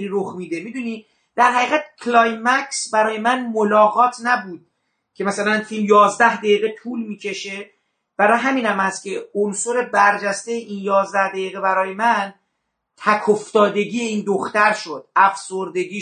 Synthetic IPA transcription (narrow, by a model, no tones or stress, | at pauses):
ɾiɾoxmiːd̪e̞mid̪unid̪ | d̪̥æɾɦæiːɣæt̪̚kʰlɒjmæksbæɾɒːje̞mænmolɒːɣɒːt̪ʰnæbuːd̪̥̚ | cʲʰe̞mæsælænfilmjɒːzd̪æhd̪æjiːɣet̪ʰuːlmiːcʰe̞ʃe̞ | b̥æɾɒːjɦæmiːnhæmhæst̪cʲʰe̞onsoɾe̞bæɾd͡ʒæst̪ejeʔinjɒːzd̪æhd̪æjiːɣebæɾɒːje̞mæn | t̪ʰækʰoft̪ɒːd̪e̞ɡiːeiːnd̪oxt̪æɾʃod̪̥æfsoɾd̪e̞ɡiː